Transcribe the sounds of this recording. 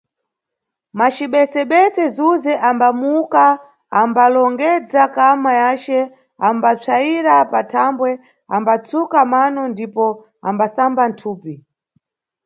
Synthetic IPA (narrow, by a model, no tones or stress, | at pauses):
mat͡ʃiɓɛsɛɓɛsɛzuzɛʔambamukaː | mbalɔŋɡɛd͡zakamajat͡ʃɛ | ambap͡ʂʰaiɾapatʰambwɛ | a̰mbat͡sukamanɔndipɔ | a̰mbasambantʰuːpi